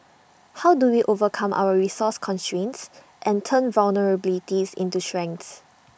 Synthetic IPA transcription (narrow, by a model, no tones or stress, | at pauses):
hawduwiʔovəkʰãmʔa̰wəɹisɔskʰɔ̃nstɹẽns | ʔɛ̃ntʰə̃nvalnəɹəbilitisḭ̃ntuʃɹɛ̃ŋkts